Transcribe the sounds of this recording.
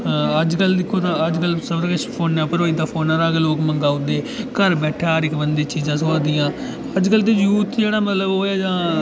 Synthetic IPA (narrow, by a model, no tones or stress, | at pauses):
əd͡ʒkəld̪ɪkʰːoːt̪ãːəd͡ʒkəlsəbəɾkət͡ʃʰpʰoːnãːpəɾoːiːd̪aːpʰoːnaːɾaːkeloːkməŋɡaːʊd̪eːkəɾbɛːʈʰaːɾɪkbənd̪eːt͡ʃiːzãːs̬oaːd̪ɪjãː | əd͡ʒkəlt̪̬eːjuːt̪ʰd͡ʒeːɽaːmət̪ləboːaːd͡ʒãː